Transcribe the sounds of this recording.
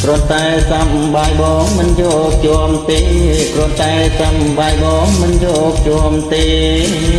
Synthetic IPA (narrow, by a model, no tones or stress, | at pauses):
krŭənt̪aɛsam | ɓajɓɑːŋmɨnjɔːk̚t͡ɕɔəmt̪eːkrʊ̆ənt̪aɛsamɓajɓɑːŋmɨnjɔːk̚t͡ɕɔəmt̪eː